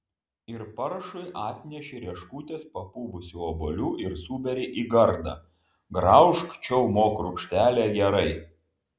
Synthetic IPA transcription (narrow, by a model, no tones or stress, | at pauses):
ɪɾpɐɾʃʊɪʔɑːt̪ʲnʲɛʃʲɪɾʲiɛʃkuːt̪ʲeːspɐpuːʋʊsʲuːobolʲuːʔɪɾsuːbʲɛɾʲɪʔiːɡɐɾd̪ɑ̰ | ɡɾɐʊʃkt͡ʃʲɛʊmoːkɾʊkʃʲt̪ʲæːlʲeːɡʲɛɾɐɪ